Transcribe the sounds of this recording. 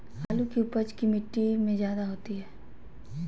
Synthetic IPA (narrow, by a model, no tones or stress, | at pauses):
haːlukiʊpəd͡ʒkimɪʈːimẽzjaːd̪aɦoːt̪iɦɛː